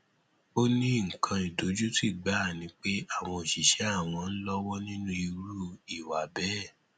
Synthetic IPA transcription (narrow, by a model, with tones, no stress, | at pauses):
o˦nĩ˦˨ŋ̩˨kʰã˧i˨do˨˦d͡ʒu˦ti˦˨ɡ͡ba˨˦˨nĩ˨˦k͡pe˦a˦˨w̃ɔ̃˧o˨ʃi˨ʃɛ˨˦a˦˨w̃ɔ̃˧n̩˦lɔ˦wɔ˦nĩ˦nũ˦i˧ɾu˦i˨wa˨bɛ˦